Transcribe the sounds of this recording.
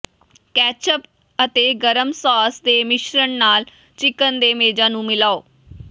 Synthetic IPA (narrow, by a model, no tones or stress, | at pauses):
kɛːt͡ʃəp | ət̪eːɡəɾəmsɔːsd̪eːmɪʃɾəɳnaːl | t͡ʃɪkənd̪eːmeːd͡ʒãːnũːmɪlaːoː